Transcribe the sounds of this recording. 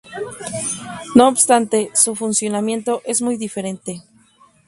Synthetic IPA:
no̞obst̪ant̪e̞sufunsjo̞namje̞nt̪o̞ʔe̞zmujðife̞ɾe̞nt̪e̞

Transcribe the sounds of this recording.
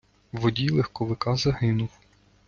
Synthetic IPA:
ʋɔdʲilˠɛxkɔʋɪkɑzɐɦɪnʊw

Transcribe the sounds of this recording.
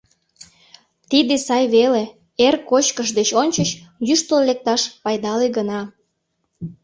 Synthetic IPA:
t̪id̪esɑjβele | erkot͡ɕkəʃd̪et͡ɕonʲt͡ɕət͡ɕjyʃt̪ollek̚t̪ɑʃpɑjd̪ɑleɡənɑ

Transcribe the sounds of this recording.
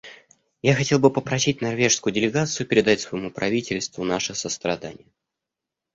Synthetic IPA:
jaxɐtʲe̞lˠbɨpəpɾɐsʲit̚ʲnɐrvʲe̞ʂskʊjʊdʲɪlʲɪɡat̪sɨjʊpʲɪɾʲɪd̪atʲsvəjɪmupɾɐvʲitʲɪlʲst̪vʊnaʂɨsəst̪ɾɐd̪anʲɪ̰jə

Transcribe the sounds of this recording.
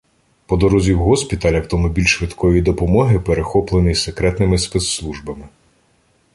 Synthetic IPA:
pɔd̪ɔɾɔzʲiwɦɔsʲpʲit̪ɐlʲɐwt̪ɔmʊbʲilʲʃʋɪd̪kʰɔʋʲid̪ɔpɔmɔɦɪpeɾexɔplˠenijsekɾɛt̪nɪmɪspɛt̪slˠuʒbɐmɪ

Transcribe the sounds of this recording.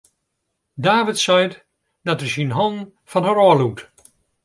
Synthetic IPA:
daːvɪtsɛjt | dɔtəɹsinɦɔn | fɔnɦəɾɔːlut

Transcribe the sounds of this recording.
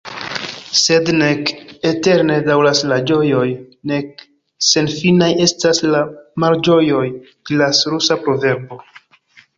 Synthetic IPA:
se̞dnekete̞ɾne̞dawlaslad͡ʒo̞jo̞jne̞k̚ | se̞nfinaje̞staslamaɾd͡ʒo̞jo̞j | ɡlasɾusapɾo̞ve̞ɾbo̞

